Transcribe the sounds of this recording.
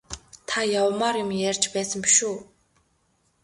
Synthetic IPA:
t̪ʰajawmaːɾjʊmjærʲt͡ɕpæːsə̆mpi̥ʃuː

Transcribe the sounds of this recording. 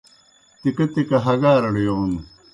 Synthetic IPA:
t̪ikɐt̪ikɐɦɐɡaːɾɐɽijoːn

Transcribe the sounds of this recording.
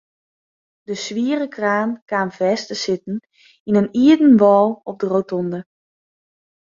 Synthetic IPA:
dəsʋiəɾəkraːnkaːmfɛːstəsɪtn̩ | inəniədn̩ʋɔːlˠɔp̚dərowtɔndə

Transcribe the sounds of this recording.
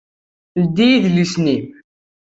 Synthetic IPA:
ld̪ijiðlisnim

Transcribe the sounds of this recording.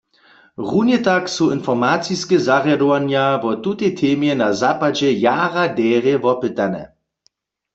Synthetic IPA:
ʁunjɛtaksuɪnfɔʁmaːt͡siskɛzaʁjadɔwanjavɔtutet̪ʰeːmjɛnazaːpad͡ʒɛjaːʁadɛːʁjɛvɔpɪt̪anɛ̰

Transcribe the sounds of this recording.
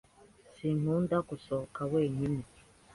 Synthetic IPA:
sin̥undakusokaweːɲimi

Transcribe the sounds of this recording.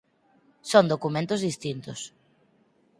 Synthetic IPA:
sond̪okumẽnt̪ozðist̪int̪ʊs

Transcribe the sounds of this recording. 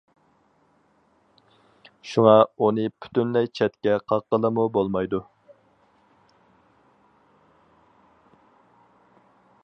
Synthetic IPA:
ʃuŋɑunɨpʰy̥t̪ynlɛjt͡ʃʰɛt̪kʲɛqʰɑqːəlˠəmubolˠmɑjd̪u

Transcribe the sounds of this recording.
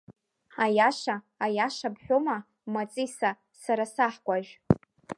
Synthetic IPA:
ajaʂaː | jaʂabħʷᶣoma | mat͡sʼisa | saɾasaħɡʷaʒᶣ

